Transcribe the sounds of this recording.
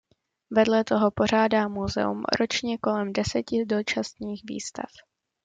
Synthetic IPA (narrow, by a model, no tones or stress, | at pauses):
vɛdlɛt̪o̞ɦo̞po̞r̝aːdaːmuzɛ̰ṵmɾʔo̞t͡ʃɲɛko̞lɛmdɛsɛcɪdo̞t͡ʃast̪ɲiːxvḭːst̪a̰f